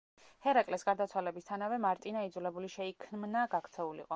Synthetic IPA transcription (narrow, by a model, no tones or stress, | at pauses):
hɛɾakʼlɛsɡaɾd̪at̪sʰwalɛbist̪ʰanavɛmaɾt̪ʼinaid̪zulɛbuliʃɛikʰmnaɡakʰt̪sʰɛulḭqʼɔ